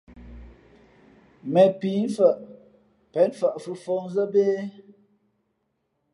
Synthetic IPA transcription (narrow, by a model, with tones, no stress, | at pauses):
mɛ˨pi˨˦n˦fə˨ʔ | pɛ˨˦nfə˨ʔfɨ˦fɔ˦ŋzə˦beː˦